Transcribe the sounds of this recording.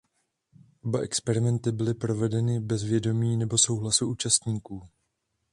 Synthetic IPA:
ʔo̞baʔɛkspɛɾɪmɛnt̪ɪbɪlɪpɾo̞vɛdɛnɪbɛzvjɛdo̞miːnɛbo̞so̞wɦlasuʔuːt͡ʃast̪ɲiːkuː

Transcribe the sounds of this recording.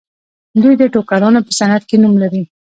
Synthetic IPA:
d̪ujd̪əʈokalɑnapəsanad̪̚kenumlaɾi

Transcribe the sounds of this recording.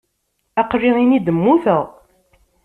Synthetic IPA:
æqɾiʁinid̪əmːuθəʁ

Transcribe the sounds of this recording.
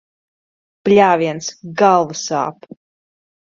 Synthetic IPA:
plʲaːviɛnsɡalˠvusa̰ːp

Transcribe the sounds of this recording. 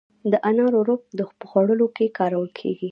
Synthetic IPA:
d̪əʔanɑɾoɾop̚d̪əxpəxwaɽəlokekɑɾawəlkʰḛɡi

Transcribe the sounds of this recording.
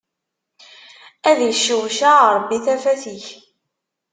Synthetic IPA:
æðjəʃːəwʃaɾˤbːiθæfæθiç

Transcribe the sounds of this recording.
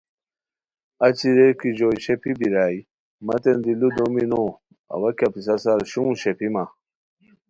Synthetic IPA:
at͡ɕiɾekid͡ʑoɕepibiɾai | mat̪end̪ilud̪omino | a̰wakʲapis̬asaɾɕuũɕepima

